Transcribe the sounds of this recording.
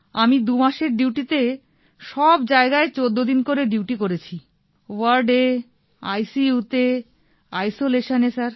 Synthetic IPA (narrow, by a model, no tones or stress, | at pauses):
amid̪umaʃeɾɖiwʈit̪e | ʃɔbd͡ʑaeɡaet͡ɕod̪ːod̪inkoɾeɖiwʈikoɾet͡ɕʰi | waɾɖe | ajsijut̪e | ajsoleʃonesaɾ